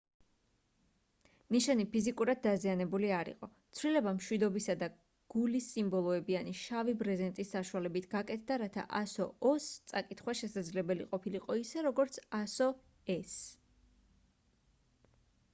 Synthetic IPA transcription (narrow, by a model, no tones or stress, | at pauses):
niʃanipʰizikʼuɾad̪̚d̪azianɛbuliaɾḭqʼɔt̪sʰwlilɛbamʃwid̪ɔbisad̪a | ɡ̥ulisːimbɔlˠɔɛbianiʃavibɾɛzɛnt̪ʼisːaʃuwalɛbit̪ʰɡ̥akʼɛt̪ʰd̪aɾat̪ʰa̰ʔasɔɔst̪sʼakʼit̪ʰχwaʃɛsad̪zlɛbɛliqʼɔpʰiliqʼɔisɛɾɔɡɔɾt̪sʰasɔ | ɛs